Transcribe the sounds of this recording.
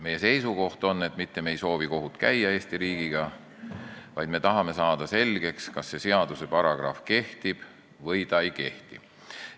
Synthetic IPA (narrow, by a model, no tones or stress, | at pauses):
me̞je̞se̞jsuko̞ht̪o̞nːe̞t̪ˑmit̪ːemejso̞ːviko̞ɦut̪kæjːɑe̞ːst̪iɾiːɡ̥iɡ̥ɑ | vɑjd̪me̞t̪ɑɦɑme̞sɑːd̪̥ɑse̞lʲɡ̥e̞kskɑsːe̞se̞ɑd̪use̞pɑɾɑɡ̥rɑ̰fke̞ht̪ib̥ | vɤjt̪ɑejke̞ht̪i̥